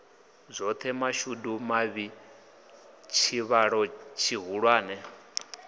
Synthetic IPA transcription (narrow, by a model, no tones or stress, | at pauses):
zʷɔt̪ʰɛmaʃudumaβi | t͡ʃʰiβaɺɔt͡ʃʰiɦuɺwaːnɛ